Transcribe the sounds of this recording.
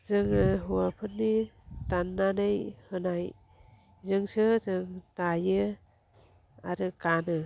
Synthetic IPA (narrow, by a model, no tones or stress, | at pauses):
zɯŋɯɦuwapʰɯnːi | tanːanejhɯnaj | zɯŋsɯzɯŋtajɯ | aɾɯkanɯ